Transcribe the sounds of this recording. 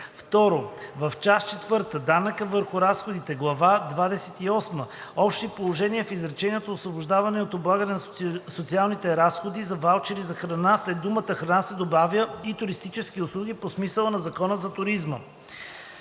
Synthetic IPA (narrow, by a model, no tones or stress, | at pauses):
ft̪ɔɾovɐft͡ʃast͡ʃɛt̪vɤɾt̪əd̪anəkəvəɾxʊɾasxod̪it̪ɛɡlˠɐvad̪vad̪ɛsɛt̪iɔsməɔpʃt̪ipolˠoʒɛniəfizɾɐt͡ʃɛniɛt̪oosvobʊʒd̪avɐnɛot̪oblˠaɡənɛn | sot̪sialˠnit̪ɛɾasxod̪izɐvalˠt͡ʃɛɾizɐxɾɐnaslɛt̪̚d̪umət̪əxɾɐnasɛd̪obavjəit̪ʊɾist̪it͡ʃɛskiʊslˠuɡʲiposmisəlˠənɐzɐkɔnəzɐt̪ʊɾizmə